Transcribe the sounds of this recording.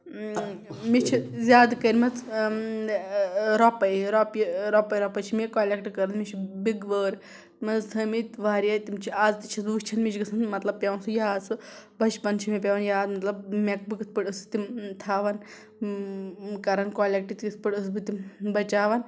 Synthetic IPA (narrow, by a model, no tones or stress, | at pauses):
mit͡ʃʰizʲaːd̪kəɾmɐt͡s | ɾɔpɐjɾɔpjiɾɔpɐjɾɔpɐt͡ʃʰimekoːlʲekʈkɐɾɐnmit͡ʃʰibiɡʋəːɾ | mɐsʰɐmit̪ʲʋaːɾjajt̪imt͡ʃʰiaːzt̪it͡ʃʰisbkt͡ʃʰɐnmit͡ʃʰɡɨsʰɐnmɐt̪lɐb̚pʲɐʋɐnsujaːt͡sɨbɐʃpɐnt͡ʃʰimep̬ʲɐʋɐnjaːzmɐt̪lɐbmek̚bɨkɨt̪̚ʰpɨʈɨst̪imt̪ʰaːʋɐn | kɐɾɐnkoːlʲek̚ʈit̪kit̪ʰpɨʈɨsbɨt̪imbɐt͡ʃaːʋɐn